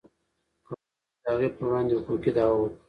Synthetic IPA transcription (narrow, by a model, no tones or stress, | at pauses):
ko | d̪əaɣepəɾwɽɑ̃ːnd̪ehʊkukid̪ɑu